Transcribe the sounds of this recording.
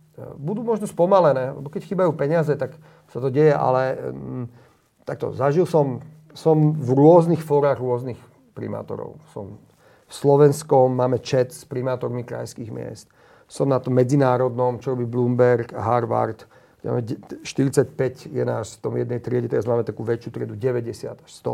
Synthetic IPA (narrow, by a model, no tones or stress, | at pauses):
bud̪uːmɔʒnɔspɔmalɛnɛːlɛ̰bɔkɛcxiːbajuːpɛɲɪazɛt̪ak | sat̪ɔɟɛjɛʔa̰lɛ | t̪ak̚t̪ɔ̰zaʒilsɔm | sɔmvɾʊɔznixfɔːɾaːɣɾʊɔznix | pɾḭma̰ːt̪ɔ̰ɾɔ̰ʊsɔ̰m | fslɔʋɛnskɔmːaːmɛt͡ʃɛt̪spɾimaːt̪ɔɾmikɾa̰jskiːɣmɪɛ̰st̪ | sɔmnat̪ɔmːɛd͡zinaːɾɔd̪nɔmt͡ʃɔɾɔbiːbluːmbɛɾkaɦaɾʋa̰ɾt̪ | kɛma̰ːmɛʃt̪iɾit͡sacpɛcjɛna̰ːʃt̪ɔmjɛd̪nɛjt̪ɾɪɛɟɛt̪ɛɾazmaːmɛt̪akuːʋɛt͡ʃjuːt̪ɾɪɛd̪uɟɛʋɛɟɛsɪa̰d̪aʃst̪ɔ̰